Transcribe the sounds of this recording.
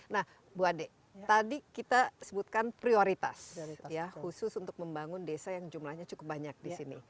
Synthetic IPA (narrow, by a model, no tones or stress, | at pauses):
nah | buade | t̪adikit̪asəbut̪̚kanpɾioɾit̪a̰sjjahusʊsunt̪ʊk̚məmbaŋʊndesajaŋd͡ʒumlahɲat͡ʃukʊp̚baɲak̚disinḭ